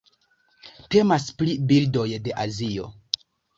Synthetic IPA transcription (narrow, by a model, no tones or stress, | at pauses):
te̞masplibildo̞jde̞ʔazio̞